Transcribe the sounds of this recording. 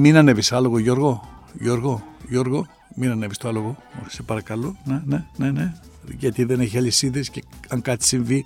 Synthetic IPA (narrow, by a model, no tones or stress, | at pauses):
minaneβisaloɣojoɾɣojoɾɡojoɾɣo | minanebist̪oaloɣosepaɾakalonenenene | jat̪id̪enexelisiðeskeaŋkat͡ssinvi